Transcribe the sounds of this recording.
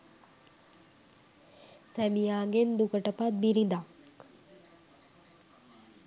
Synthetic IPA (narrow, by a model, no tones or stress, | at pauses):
sɛmijaːɡend̪ukəʈəpat̪̚biɾid̪ak